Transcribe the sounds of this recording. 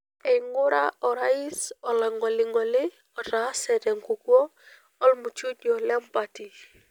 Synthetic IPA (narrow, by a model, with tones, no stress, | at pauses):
ɛ˨ɪ˨ŋʊ˦ɾa̰˦ɔ˨ɾa˦i˦sɔ˨lɛ˨ŋɔ˨lɪ˨ŋɔ˨lɪ˦ | ɔ˨ta˨˦sɛ˨dɛ˨ŋku˨kwɔ˦ | ɔ˦lmu˨t͡ʃo˦dɔ˨lɛ˦mpa˨ti˨